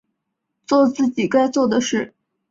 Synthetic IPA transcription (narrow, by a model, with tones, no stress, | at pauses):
t͡swɔ˥˧t͡sɹ̩˥˩t͡ɕi˨˩ka˥ɪt͡swɔ˥˩d̪ə˩ʂɻ̩˥˩